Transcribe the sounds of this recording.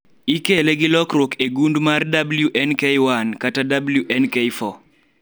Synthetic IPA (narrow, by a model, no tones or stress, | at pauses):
ikeleɡɪlɔkɾokeɡundmardabljuʔɛnkewankatadabljuʔɛnkeifɔ